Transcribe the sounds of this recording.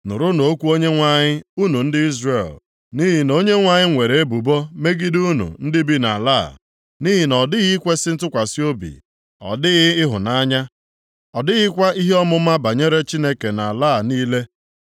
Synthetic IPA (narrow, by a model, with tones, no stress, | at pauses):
nʊ̰˨ɾʊ˦no˨˦kʷu˦o˦ɲe˦ŋʷa˨ɲɪ˦u˦nu˨n̩˦dɪ˦i˦zre˦˨l | ni˦ɦi˨no˦ɲe˦ŋʷa˦˨ɲɪ˦ŋʷe˨ɾe˨e˦bu˨bo˦me˦ɡi˦du˦nṵ˨n̩˦dɪ˦bi˦na̰˨laː˦˨ | ni˦ɦi˨nɔ˨dɪ˦ɣi˦kʷe˦sɪ˦n̩˦tʊ˦kʷa˨si˦o˦bḭ˨ | ɔ̰˨dɪ˦ɣɪ˦ɪ˦ɦʊ˨na˦ɲa˦ | ɔ˨dɪ˦ɣɪ˦kʷa˦i˦ɦe˦ɔ˦mʊ˦a˦ba˨ɲe˦ɾe˦t͡ʃi˦ne˦ke˨na˨la˦˨niː˦le˦